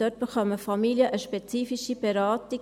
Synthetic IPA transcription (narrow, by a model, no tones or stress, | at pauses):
d̥œt̚b̥əχœməfɑmiljəʔəʃpɛt͡siːfiʃib̥eɾaːti